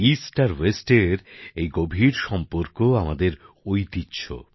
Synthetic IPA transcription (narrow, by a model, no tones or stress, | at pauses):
isʈaɾwesʈeɾejɡobʱiɾʃɔmpoɾkoamad̪eɾ | ojt̪itːɕʰo̰